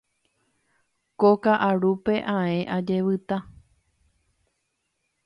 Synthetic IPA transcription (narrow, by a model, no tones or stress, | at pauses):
kokaʔaɾupe̞ʔãẽ̞ʔad͡ʒe̞ʋɨt̪a